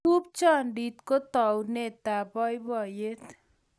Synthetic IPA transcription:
up̚t͡sʌɳɖit̪kot̪ʌwnet̪abʱʌjbʱʌjet̪ʰ

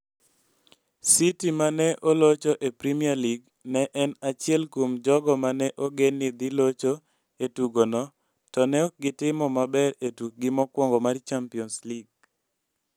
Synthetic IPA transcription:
sitimanɛʔolot͡ʃoʔepɾimialiɡ | nɛʔɛnat͡ʃɪɛlkomd͡ʒɔɡɔmanɛʔoɡenɪd̪ilot͡ʃo | etuɡonɔ | tɔnɛɔk̚ɡɪtɪmɔmabɛɾetuk̚ɡɪmɔkwɔŋɡɔmart͡ʃampiɔnsliɡ̚

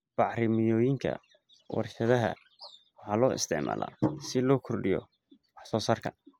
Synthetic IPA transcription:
b̥ɑʕɾɪmɪjɔːjɪŋkʰɐ̰ | wɑ̰rʃɐðɐɦɐ̰ | wɑħɑːlɔːɪ̰st̪ʰɪʕma̰ːla̰ːsɪlɔːkʰɔrɖɪjɔ̰ | wɑħsɔːsaːrkʰɐ

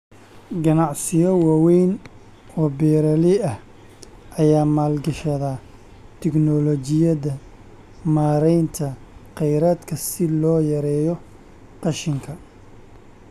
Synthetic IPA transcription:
ɡɐnɑʕsɪjɔwɑːwɛjn | ɔːbɛːɾɐlɪɐh | ʔɐjaːmaːlɡɐʃɐðaː | t̪ʰɛɡnɔlɔt͡ʃɪjɐðɐ | maːɾɛjnt̪ʰɐ | qɛjɾaːd̪kʰɐsɪlɔːjɐɾɛːjɔ | qɑʃɪŋkʰɐ

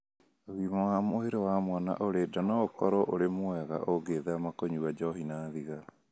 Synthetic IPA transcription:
ðimawamoeɾewamwana̰ʔoɾedanaokɔɾɔʔoɾemoɛɣa̰ʔoɡeːðɛamakoɲuwad͡ʒɔɦinaðiɣa

